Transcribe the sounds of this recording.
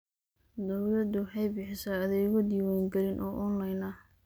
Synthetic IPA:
d̪ɐwlɐd̪ʊħɑjbɪħɪsɐɐðɛjɣɔd̪iːwaːŋɡɐlɪnʔɔ̰ːʔɔnlɐjnɐ

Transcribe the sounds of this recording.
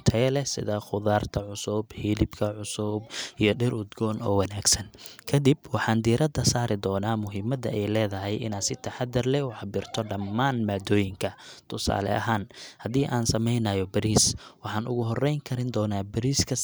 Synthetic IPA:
t̪ʰɐɛlɛsɪ̰ðɐχʊðaːrt̪ʰɐʕʊsʊbhiːlɪbkʰɐʕʊsʊbʔijɞɖɪrʊd̪ɡɔːnɔːwɐnaːɡsɐnkʰɐd̪ibwɑħɑːnd̪iːɾɐd̪ɐsaːɾɪd̪ɔːnaːmʊɦɪmɐd̪ɐ̰ʔɛjlɛːðɐɦɛjɪ̰naːsɪt̪ʰɐħad̪ɐrlɛwɑħbɪrt̪ʰɔɖɐmːaːnmaːd̪ɔːjɪŋkʰɐt̪ʰʊsa̰ːlɛ̰ʔɐ̰ɦaːnhɐðiːʔaːnsɐmɛjnɐjɔbɐɾiːswɑħɑːnʔʊ̰ɣʊɦɔrɛjŋkʰɐɾɪnd̪ɔːnaːbɐɾiːskʰɐ

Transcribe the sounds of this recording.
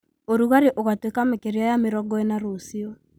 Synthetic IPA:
oɾuɣaɾeʔoɣatwekamekeɾeajameɾɔɡɔɛnaɾosiɔ

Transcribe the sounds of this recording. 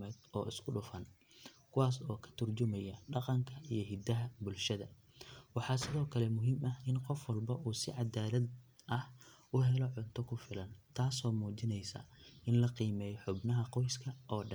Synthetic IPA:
ɛd̪ɔːɪskʰʊɖʊfɐn | kʰʊwaːsɔːkʰɐ̥t̪ʰʊrt͡ʃʊmɐjɐɖɑqɑŋkʰɐʔijɞɦɪd̪ɐɦɐbʊlʃɐðɐ | wɑħɑːsɪðɔːkʰɐlɛmʊɦimɐhɪnqɔfwɐlbɐʔuːsɪʕɑd̪aːlɐd̪ʔɐh | ʔʊɦɛlɔʕʊnt̪ʰɔkʰʊfɪlɐnt̪ʰaːsɔːmuːt͡ʃɪnɛjsɐ̰ʔɪnlɐqiːmɛːjħʊbnɐɦɐqɔjskʰɐʔɔːɖɐn

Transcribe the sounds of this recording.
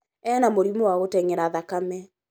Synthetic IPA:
ɛnamoɾimɔwaɣotɛŋɛɾaðakamɛ

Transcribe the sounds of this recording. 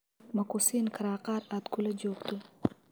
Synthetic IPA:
mɐkusinkʰaɾaːqɑːɾat̪ɡulɐd͡ʒoːkt̪u

